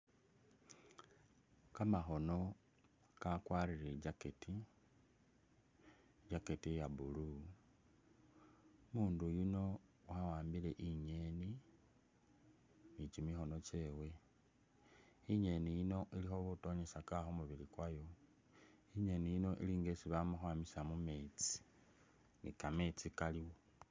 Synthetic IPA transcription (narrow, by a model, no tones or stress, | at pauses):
kamaxo̞no̞ | kakwaɾiɾeɟaketi | ɟaketijaβulu | muːndujino̞wawaːmbile̞ʔiɲe̞ni | nit͡ʃimixo̞no̞t͡ʃe̞ːwe̞ | iɲe̞nijino̞ʔilixo̞βuto̞ɲesakaxomuβilikwajo | iɲe̞nijino̞ʔḭliːŋɡesiβamuxwamisamume̞t͡si̥ | nḭkame̞t͡sikaliwo